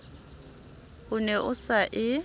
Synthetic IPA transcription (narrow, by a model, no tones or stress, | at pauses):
ʊnɛʔʊsaʔɪ